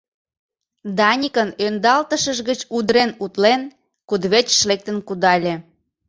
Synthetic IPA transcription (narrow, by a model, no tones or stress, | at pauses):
d̪ɑnʲikənønd̪ɑlt̪əʃəʒɣət͡ɕud̪ɾenut̪len | kud̪βet͡ɕʃlek̚t̪ənkud̪ɑlʲe